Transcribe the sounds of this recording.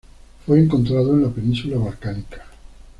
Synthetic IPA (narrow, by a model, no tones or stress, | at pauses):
fweːŋko̞nt̪ɾaðoenlapenĩnsulaβalkanikḁ